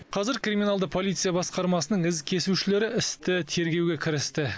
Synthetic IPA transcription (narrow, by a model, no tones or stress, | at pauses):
qʰɑzɪɾkrimʲinalˠd̪əpʰo̞lʲijt̪sɨjɑbɑsqɑɾmɑsənəɴɪzkʲʰe̞suʃɪle̞ɾɪɪst̪ɪt̪ʰe̞ɾɡʲe̞wɡʲe̞kʲʰɪɾɪst̪ɪ